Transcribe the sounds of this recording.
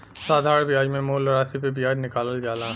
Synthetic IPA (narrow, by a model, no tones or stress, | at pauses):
saːd̪ʱaːɾ̃bjaːd͡ʒmẽmoːlɾaːsipebijaːd͡ʒnɪkaːləld͡ʒaːlaː